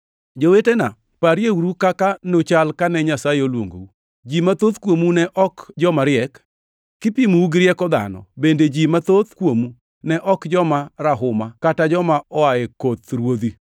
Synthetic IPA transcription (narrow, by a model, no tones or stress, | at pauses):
d͡ʒowetena̰ | paɾjewuɾukakanot͡ʃalkanɛɲasajeolwo̰ŋɡou | d͡ʒimat̪oðkwomunɛʔɔkd͡ʒɔmaɾɪɛkː | ɪpimuuɡɾɪɛkɔd̪a̰nɔ̰bended͡ʒimat̪ot̪kwomu | nɛʔɔkd͡ʒɔmaɾaɦʊmakatad͡ʒɔmaɔaekot̪ɾwod̪i